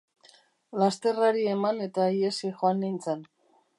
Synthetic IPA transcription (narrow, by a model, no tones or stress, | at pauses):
last̪e̞raɾie̞mane̞t̪aiesixoanːint͡sen